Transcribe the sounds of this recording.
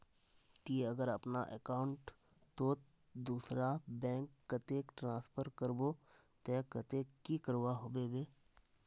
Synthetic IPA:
t̪iːəɡəɾɐpnaʔḛkaːʊɳʈ | t̪o | d̪uːsɾabɛ̃ːŋkːət̪eːkʈɾãːspʰəɾkəɾbot̪ɛːkət̪eːkːikəɾʋaɦoːbeːbeː

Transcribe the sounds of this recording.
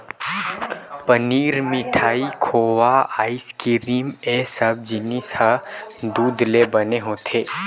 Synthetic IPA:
pəniːɾmɪʈʰaːikʰoːʋaaːiskiɾiːmesəb̚d͡ʒɪnisad̪uːd̪lebəneɦoːt̪ʰeː

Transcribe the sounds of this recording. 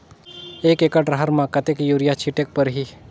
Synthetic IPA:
eːkekəʈɾaɦəɾmãkɐt̪ekjuɾijat͡ʃʰiʈek̚pəɾɦi

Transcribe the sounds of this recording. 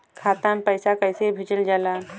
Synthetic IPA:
kʰat̪ampəjsakəjsebʱit͡ʃəld͡ʒalan

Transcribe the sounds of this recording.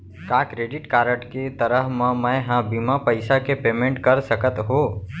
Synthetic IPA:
kakɾeːɖɪʈkaːɾəʈket̪əɾəɦmãmə̃jɦãbimapəɪsakepeːmẽɳʈkəɾsəkət̪ɦoː

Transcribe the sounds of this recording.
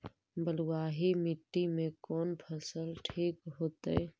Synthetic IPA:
bəlʊwaːɦimɪʈːimẽkɔːnpʰəsəlʈʰiːkɦoːt̪ɛ

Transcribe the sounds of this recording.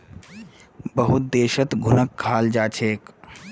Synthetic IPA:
bəɦʊt̪̚d̪eːʃət̪ɡʱʊnəkːʰaːld͡ʒaːt͡ʃʰeːk

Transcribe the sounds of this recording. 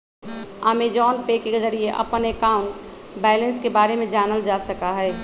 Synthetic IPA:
a̰mid͡ʒɔːnpekekezəɾieʔə̰pənekaːʊ̃ɳʈ | bɛːɪlənskebaːɾemẽd͡ʒaːnəld͡ʒasəkaɦɛː

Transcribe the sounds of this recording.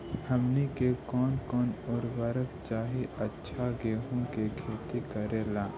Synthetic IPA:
hɐmnikekɔːnkɔːnʊɾʋəɾəkt͡ʃaːɦiɐtːʃʰaɡeːɦõkekʰeːt̪ikɐɾeːlaː

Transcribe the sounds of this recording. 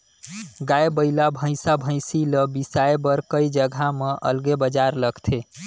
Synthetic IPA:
ɡaebəjlabʱə̃ɪ̃sabʱə̃ɪ̃siləbisaebəɾkəid͡ʒəɡʱameʔə̰lɡebəd͡ʒaɾləkt̪ʰe

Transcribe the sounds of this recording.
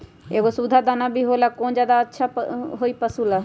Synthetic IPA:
eːɡosud̪ʱaːd̪anabʱiːɦoːlaːkõːnd͡ʒjaːd̪aətːʃʰaɦoːiːpəsula

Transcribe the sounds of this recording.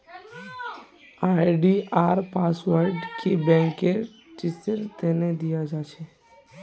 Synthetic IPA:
ajɖiaɾpasʋəɾɖkʰibɛ̃ŋke | t͡ʃisəɾt̪ened̪ijad͡ʒaʃʰe

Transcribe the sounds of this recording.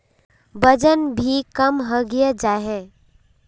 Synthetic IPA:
bəd͡ʒənbʱikəmɦəɡijəd͡ʒaɦe

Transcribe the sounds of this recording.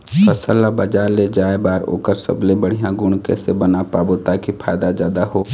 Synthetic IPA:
pəsəlabəd͡ʒaːɾled͡ʒaːebaːɾo̰ːkəɾsə̰blebəɽ̤ijãɡʊɳ̃kɛ̰ːsebənapaːbot̪aːkipʰaːjd̪azjaːd̪aɦoː

